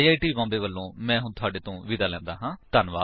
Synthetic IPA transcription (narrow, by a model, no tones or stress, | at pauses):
iːaːiːʈiːbãːmbeːʋəlːõːmɛ̃ːɦʊnt̪ʰʊaːɖeːt̪õːʋɪd̪aːlɛ̃ːnd̪aːɦãːt̪ənʋaː